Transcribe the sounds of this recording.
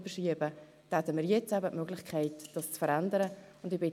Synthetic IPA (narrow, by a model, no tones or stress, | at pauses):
b̥əʃiəbə | d̥ɛt̪əmɪːɾjɛt͡sæbətmøɡlɪχkʰɛɪtd̥ɑst͡sfəɾandəɾə | ʊndɪb̥ɪ